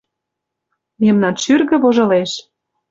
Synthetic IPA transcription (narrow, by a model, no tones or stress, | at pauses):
memnɑnʃyrɣə̆βoʒɤ̆leʃ